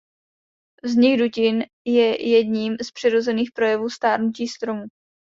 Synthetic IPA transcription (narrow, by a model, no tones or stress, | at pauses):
vzɲɪɡducɪn | jɛjɛdɲiːmspr̝̥ɪɾo̞zɛniːxpɾo̞jɛvuːst̪aːɾnuciːst̪ɾo̞mu